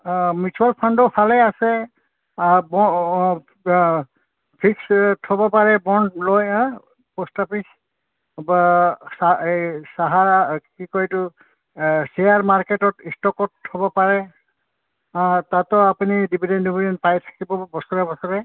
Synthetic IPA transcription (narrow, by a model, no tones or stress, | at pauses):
mitʰualpʰɔndɔpʰalɛasɛ | bɔ | pʰikstʰɔbɔpaɹɛbɔndlojã | postapis | basasaɦakikɔjtʊ | sejaɹmaɹketɔtistɔkɔtʰːɔbɔpaɹɛ | tatɔapunidibʱidɛndibʱidɛn̚pajtʰḁkibɔbɔsɔɹabɔsɔɹɛ